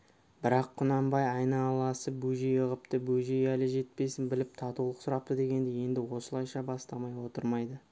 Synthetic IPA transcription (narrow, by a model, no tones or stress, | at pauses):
bɪɾɑqʰːʊnɑmbɑjɑjnɑlˠɑsəbujʒejəʁəp̚t̪əbujʒejælɪʒe̞t̪̚pe̞sɪnbɪlɪp̚t̪ʰɑt̪uwlˠəqsʊɾɑp̚t̪əd̪e̞ɡʲe̞nd̪ɪje̞nd̪ɪwo̞səlˠɑjʃɑbɑst̪ɑmɑjwo̞t̪əɾmɑjd̪ə